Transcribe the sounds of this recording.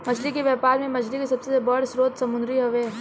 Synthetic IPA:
mɐt͡ʃʰlikeʋjɛːpaːɾmẽmɐt͡ʃʰlikesɐbsebɐɽsɾoːt̪sɐmʊ̃nd̪ɾiɦɐʋeː

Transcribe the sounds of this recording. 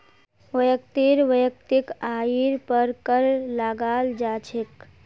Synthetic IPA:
ʋəjəkt̪iɾʋəjək̚t̪ikaːiɾpəɾkəɾlaɡaːld͡ʒaːt͡ʃʰek

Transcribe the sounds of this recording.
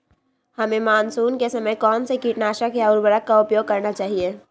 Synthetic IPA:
həmẽmaːnsuːnkesɐməjkɔːnsekiʈnaːʃakjaʊɾbəɾəkːaʊpjoːɡ̚kɐɾnat͡ʃaːɦie

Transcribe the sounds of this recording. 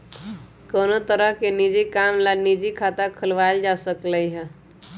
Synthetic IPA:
kənot̪əɾəɦkenid͡ʒikamlanid͡ʒikʰat̪akʰəlʋajld͡ʒasəkləiɦɛ

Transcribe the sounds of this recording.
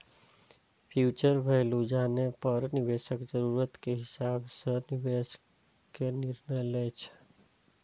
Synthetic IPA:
pʰjut͡ʃəɾbʱelud͡ʒanepəɾniβeʃəkd͡ʒəɾuɾət̪keɦisabsə̃niʋes | keniɾnəjlɛt͡ʃʰ

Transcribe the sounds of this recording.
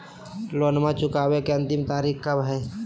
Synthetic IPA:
loːnmãt͡ʃʊkaːwekeɐ̃nt̪ɪmt̪aːɾiːkkabɦɛː

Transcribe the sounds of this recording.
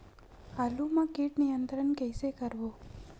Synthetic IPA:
alumãkiʈnijənt̪ɾənkəjsekəɾʋo

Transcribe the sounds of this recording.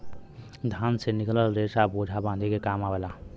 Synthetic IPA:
d̪ʱãnsenikləlɾesabod͡ʒʱabãːd̪ʱikekamabela

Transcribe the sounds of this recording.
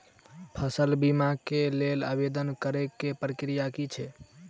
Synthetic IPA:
pʰəsəlbimakelela̰bed̪ənkəɾekːepɾəkɾijakit͡ʃʰɛ

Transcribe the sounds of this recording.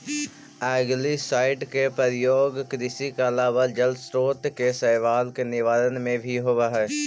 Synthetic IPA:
ɛːɡlisaːɪʈkepəɾjoːɡkɾɪsikalaːʋad͡ʒəlsɾoːt̪kesɛːʋaːlkenɪʋaːɾənmẽbʱiɦoːʋaɦɛː

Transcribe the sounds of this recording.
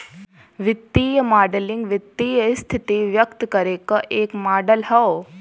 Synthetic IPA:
ʋɪt̪ːiːjəmaːɖəlɪ̃ŋɡʋɪt̪ːiːjəst̪ʰɪt̪iʋjəkt̪kɐɾeːkəʔeːkmaːɖəlɦɐo

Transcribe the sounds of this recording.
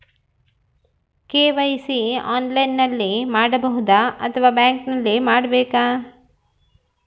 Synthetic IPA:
keːʋɐjsiaːnlɐjnːɐlːimaːɽɐbɐɦud̪aɐt̪ʰɐʋaːbjaːŋknɐlːimaːɽɐbeːkaː

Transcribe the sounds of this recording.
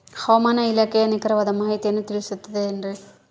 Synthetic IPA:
hoːmaːnɐɪlɐkːɐjɐnɪkːɪɾɐʋɐðɐmaːɣit̪ɛnːɯt̪ɪɾɪsɯt̪ːɐðɯɛndrɯ

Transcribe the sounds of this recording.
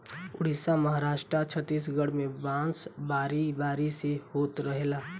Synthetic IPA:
ʊɽ̤isaməɦaɾaːʃʈɾat͡ʃʰət̪ːis̬ɡəɽ̤mẽbãːsbaːɾibaːɾisehoːt̪ɾəɦelaː

